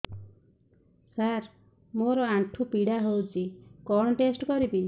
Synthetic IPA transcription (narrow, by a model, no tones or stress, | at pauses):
saɾ | moɾɔaʈʰupiɽaɦowt͡ʃʰikɔɽ̃ɔʈesʈkɔɾibi